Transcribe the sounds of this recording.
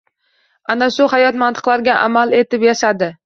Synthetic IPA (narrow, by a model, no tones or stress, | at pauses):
anaʃʊhajɒt̪mant̪ʰɨ̥qlaɾɡʲaʔa̰male̞t̪ɪpjaʃad̪ɪ